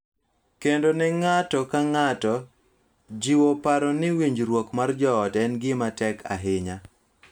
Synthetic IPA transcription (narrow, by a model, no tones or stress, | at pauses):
kendonɛŋatɔkaŋatɔ | d͡ʒiwopaɾɔnɪwiɲd͡ʒɾwokmard͡ʒɔːtɛnɡɪmatɛkʰa̰ɦɪɲa